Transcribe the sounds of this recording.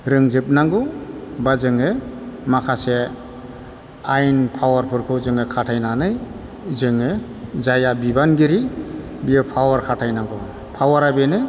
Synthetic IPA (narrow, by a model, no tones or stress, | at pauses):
ɾɯŋzɯp̚naŋɡɯbazɯŋɯmakʰase | ajnpʰawaɾpʰɯɾkʰɯzɯŋɯkʰatʰajnanɯj | zɯŋɯ | zajabibanɡiɾi | bijɯpʰawaɾkʰatʰajnaŋɡɯ | pʰawaɾabenɯ